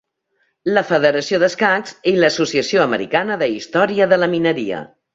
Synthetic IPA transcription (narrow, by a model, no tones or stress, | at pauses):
ləfəðəɾəsioðəskaksiləsusiəsioəməɾḭkanəðəist̪ɔɾiəðələminəɾiə̰